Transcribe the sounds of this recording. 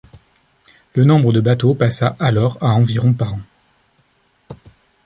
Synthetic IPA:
lənɔ̃bʁəd̪əbat̪opasaʔalɔʁaɑ̃viʁɔ̃paʁɑ̃

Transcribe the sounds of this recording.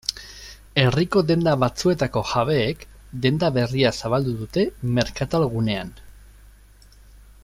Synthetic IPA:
e̞riko̞d̪e̞nd̪aβat͡sue̞t̪ako̞ʝaβe̞ːk | d̪e̞nd̪aβe̞riasaβald̪uðut̪e̞me̞ɾkat̪alɣune̞an

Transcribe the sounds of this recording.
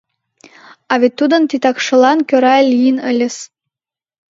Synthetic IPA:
ɑvʲet̪ːud̪ə̆nt̪it̪ɑkʃɤ̆lˠɑnkʲøɾɑlʲijnə̆lʲɘ̆s

